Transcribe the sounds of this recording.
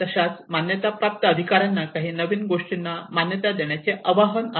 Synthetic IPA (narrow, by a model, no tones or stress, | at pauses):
t̪əɕat͡smanjət̪apɾap̚t̪əəd̪ʱikaɾjanːakaɦiːnəʋiːnɡoʂʈinːamanjət̪ad̪eɳjat͡seʔəʋaɦəna